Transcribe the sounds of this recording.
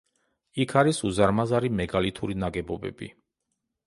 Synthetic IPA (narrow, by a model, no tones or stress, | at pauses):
ikʰaɾisuzaɾmazaɾimɛɡalit̪ʰuɾinaɡɛbɔbɛ̰bḭ